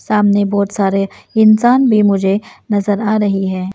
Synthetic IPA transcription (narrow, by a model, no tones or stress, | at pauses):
saːmnebɔːt̪saːɾeɪnsaːnbʱimʊd͡ʒʱenɐzəɾaːɾɐɦiɦɛ̃ː